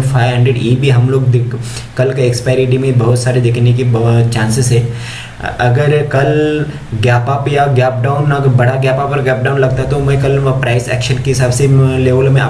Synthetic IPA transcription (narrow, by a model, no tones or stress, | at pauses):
fʰaːɪɾɦɛ̃ːɳɖeɖjeːbʱiɦɐmloːɡd̪ | kɐlkeekspaːɪɾiʈimẽbɐɦʊt̪saːɾed̪ekʰnek̬it͡ʃãːnsɪzɦɛː | ɐɡəɾkɐl | ɡaːpapjaɡjɛːp̚ɖaːʊnɐɡəɾbɐɽaɡjɛːpapɐɾɡɛːp̚ɖaːʊnlɐɡ̚t̪aɦɛt̪omɛ̃kɐlpɾʔaːɪsɛ̰ːkʃənkeɦɪsaːbseleːʋəlmẽa̰ː